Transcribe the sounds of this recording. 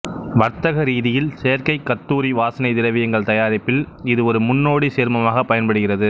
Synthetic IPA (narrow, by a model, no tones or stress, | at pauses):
ʋɐɾt̪ɐɣɐɾiːðɪjɪlseːɐɾkɐɪkːɐt̪ːuːɾiʋaːsɐnɐɪt̪ɪɾɐʋɪjɐŋɡɐɭt̪ɐjaːɾɪpːɪlɪðɯɔɾɯmʊnːoːɽiseːɾmɐmaːɣɐpːɐjɐnpɐɽɯɣɪrɐðɯ